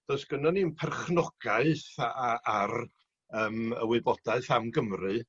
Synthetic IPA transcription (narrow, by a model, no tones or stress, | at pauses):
d̥ɔsɡ̥ənɔniənpʰɛrχnɔɡ̥aɨθaar | əːmə̰wɪɨbɔd̥aɨθamɡəmrɨ